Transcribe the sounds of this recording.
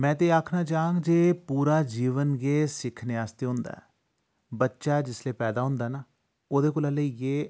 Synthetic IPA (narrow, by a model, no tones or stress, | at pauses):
mɛ̃ːt̪̬eːaːkʰnaːt͡ʃaːə̃ŋɡd͡ʒeːpuːɾaːd͡ʒiːʋənɡeːsɪkʰnɪaːst̪eːɦʊ̃nd̪a̰ːɛː | bətːʃaːd͡ʒɪsleːpɛːd̪aːɦʊ̃nd̪aːnaː | oːd̪eːkolələieː